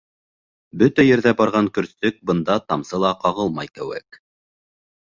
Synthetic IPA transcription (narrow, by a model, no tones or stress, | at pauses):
bɵt̪æjɘ̆ɾðæbɑɾʁɑŋkɵ̆ɾst̪ɵk̚bɤ̆nd̪ɑt̪ɑmsɤlˠɑqɑʁɤlˠmɑjkɘ̆wɘ̰k̚